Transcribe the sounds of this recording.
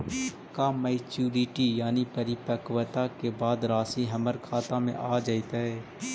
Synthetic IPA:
kamɛɪt͡ʃuːɾiʈijaːnipəɾɪpəkʋət̪akebaːd̪ɾaːsiɦəməɾkʰaːt̪ãmḛ̃ʔaːd͡ʒaːit̪aɦɛː

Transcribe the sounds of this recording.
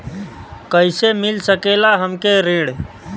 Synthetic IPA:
kəɪsemɪlsəkelaɦəmkeɾeːɽ

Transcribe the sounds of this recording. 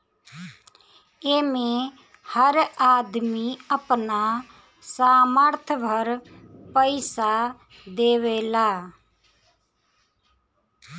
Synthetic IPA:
eːmẽː | həɾaːd̪miːəpnaː | saːməɾt̪ʰʋʱəɾ | pəɪsa | d̪eːʋeːlaː

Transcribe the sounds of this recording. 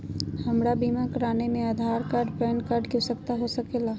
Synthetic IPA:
hɐmɾabiːmakɾaːnemẽɐd̪ʱaːɾkaɾɖpɛːnkaɾɖkjusəkt̪aɦosɐkeːlaː

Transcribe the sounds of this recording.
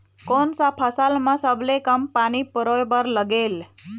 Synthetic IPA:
konsapʰəsalmãsəblekəmpanipəɾojbəɾləɡel

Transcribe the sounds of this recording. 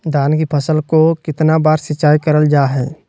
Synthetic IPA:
d̪aːnkipʰəsəlkokɪt̪nabaːɾsɪt͡ʃaːikəɾəld͡ʒaːɦɛː

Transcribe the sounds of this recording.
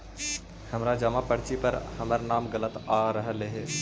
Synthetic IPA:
hɐmɾad͡ʒɐmapɐɽt͡ʃipɐɾhɐməɾnaːmɡɐlət̪aːɾɐɦleɦeː

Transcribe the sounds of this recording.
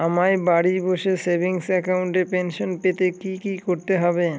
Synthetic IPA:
amajbaɽiboʃesebʱiŋsɛkauɳʈepenʃonpet̪ekikikoɾt̪eɦɔbe

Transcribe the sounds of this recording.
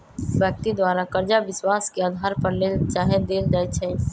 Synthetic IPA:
bjək̚t̪id̪waːɾakəɾd͡ʒabɪswaːskeaːd̪ʱaːɾpɐɾlelt͡ʃaːɦed̪eːld͡ʒaːɛt͡ʃʰɛ

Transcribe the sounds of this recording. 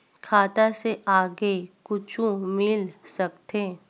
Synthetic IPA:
kʰaːt̪aseʔaːɡekʊt͡ʃũmɪlsɐkt̪eː

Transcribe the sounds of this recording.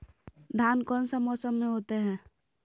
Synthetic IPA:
d̪ʱaːnkɔnsəmɔsəmːẽɦot̪eɦɛ̃ː

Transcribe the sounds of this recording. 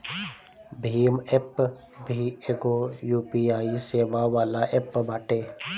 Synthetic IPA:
bʱiːmep | bʱiːeɡoːjuːpiaːiseːʋaːʋaːlaʔepbaːʈeː

